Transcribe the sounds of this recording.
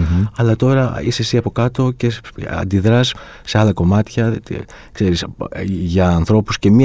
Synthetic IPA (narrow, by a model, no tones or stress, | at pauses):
ɐlɐt̪o̞ɾɐisesiɐpo̞kɐt̪o̞ce̞ɐ̰nd̪iðɾɐsː | e̞ɐlɐko̞mɐt̪çɐ | kse̞ɾisʝɐːnθɾo̞pusce̞mi